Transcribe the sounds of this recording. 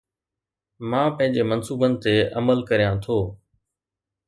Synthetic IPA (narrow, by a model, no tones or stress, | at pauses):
mãːpə̃ɦɪ̃ɲd͡ʑemɐnsuːbənɪ̆t̪eʔɐməlkəɾijãt̪ʰoː